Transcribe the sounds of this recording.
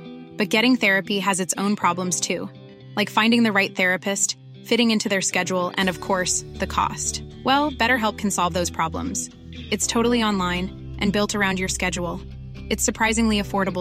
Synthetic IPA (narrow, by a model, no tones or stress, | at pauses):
b̥ʌt̚ɡ̥ɛɾɪ̃ŋθɛɹɨpiɨzɨtsõʊ̃npʰɹ̥ɑblə̃mz̥tʰʉ | laɪkfãɪ̃ndɪ̃ŋðɨɹaɪt̪̚θɛɹɨpɨst | fɪɾɪ̃ŋɪ̃ntʰʉðə˞skɛd͡ʒul̩ˠɨ̰̃nʌv̥kʰɔɹsðɨkʰɔ̰st | wɛlˠb̥ɛɾə˞ɦɛlˠp̚kʰn̩sɑlˠvðoʊz̥pʰɹ̥ɑblə̰̃mz̥ | ɨtstʰoʊɾl̩ˠiɑ̃nlãɪ̃n | ʔɨ̃nbɪlˠtʰə˞ãʊ̃ndjə˞skɛd͡ʒul̩ˠ | ɨtsə˞pʰɹ̥aɪzɪ̃ŋliɨfɔɹɾəbl̩